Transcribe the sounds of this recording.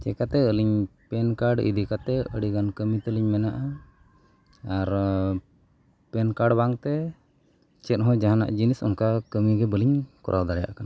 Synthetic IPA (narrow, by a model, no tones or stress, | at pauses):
t͡ʃɛkat̪ɛəliɲpɛnkaɾɖḭd̪ikat̪ɛə̰ɽiɡankəmit̪əliɲmɛnaʔa | aɾ | pɛnkaɾɖbaŋt̪ɛ | t͡ʃɛt̪̚ɦɔ̃d͡ʒaɦana̰ʔd͡ʒinisɔ̰nkakəmiɡɛbəliɲkɔ̰ɾʔawd̪aɾɛja̰ʔkana